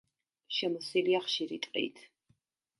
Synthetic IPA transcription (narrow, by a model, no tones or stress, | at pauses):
ʃɛmɔsiliaχʃiɾit̪ʼqʼḭt̪ʰ